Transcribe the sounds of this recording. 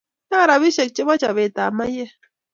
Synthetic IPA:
na˦˨ɾa˨βi˦ʃɛ˨k̚t͡ʃe˦ba˦t͡ʃa˨βe˨t̪a˨ma˦je˦

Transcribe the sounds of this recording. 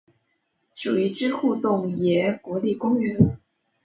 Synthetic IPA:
ʂu˨˩i˧˩ʈ͡ʂɻ̩˥xu˥˧t̪ʊ˥˩ŋjɛ˧˥kwɔ˧˥li˥˩kʊ˥ŋɥɛ˧˥n

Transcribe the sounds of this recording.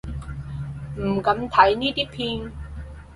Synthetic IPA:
m̩˨˩kɐ˨˥mt̪ʰɐ˨˥jniː˥t̪iː˥pʰiː˧n

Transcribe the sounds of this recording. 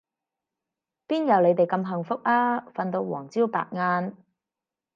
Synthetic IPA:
piː˥njɐ˨˧wle˨˧jt̪e˨jkɐ˧mɦɐ˨ŋfʊ˥k̚aː˥fɐ˧nt̪o˧wwɔ̰ː˨˩ŋt͡siː˥wpa̰ː˨k̚ŋaː˧n

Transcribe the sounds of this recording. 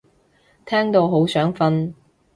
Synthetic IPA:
t̪ʰɛː˥ŋt̪o˧wɦo˨˥wsœː˨˥ŋfɐ˥n

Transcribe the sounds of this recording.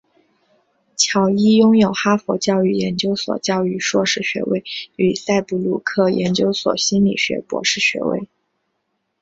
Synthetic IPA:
t͡ɕʰjɑ˨˧˩ʊi˥jʊ˥ŋjo˨˩ʊxa˥fɔ˧˥t͡ɕjɑ˥˧ʊy˥˩jɛ˧˥nt͡ɕjo˥ʊswɔ̰˨˩t͡ɕjɑ˥˧ʊy˥˧ʂwɔ˥˧ʂɻ̩˥˩ɕɥɛ̰˧˥wḛ˥˩ɪy˨˩sa˥˧ɪpu˥˩lu˥˩kʰɤ˥˩jɛ̰˧˥nt͡ɕjo˥ʊswɔ̰˨˩ɕi˥nlḭ˨˩ɕɥɛ̰˧˥pwɔ̰˧˥ʂɻ̩˥˩ɕɥɛ̰˧˥wḛ˥˩ɪ

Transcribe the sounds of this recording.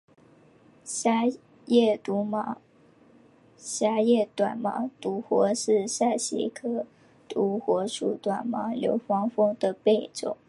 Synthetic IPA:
a˥ | jɛ˥˩t̪u˧˥mɑ˧˩˥ | ɕja˥jɛ˥˩t̪wa˨˩nmɑ̰˧˥t̪u˧˥xwɔ˧˥ʂɻ̩˥˧ʂa˥˩ɪɕḭ˧˥kʰɤ˥ | t̪u˧˥xwɔ˧˥ʂṵ˨˩t̪wa˨˩nmɑ˧˥ljo˧˥ʊfɑ˥ŋfʊ˥ŋd̪ə˨pe˥˩ɪʈ͡ʂʊ̰˨˩˦ŋ

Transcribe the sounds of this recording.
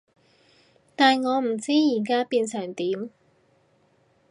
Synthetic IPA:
t̪aː˨nŋɔː˨˧m̩˨˩t͡siː˥jiː˨˩kaː˥piː˧nsœː˨˩ŋt̪iː˨˥m

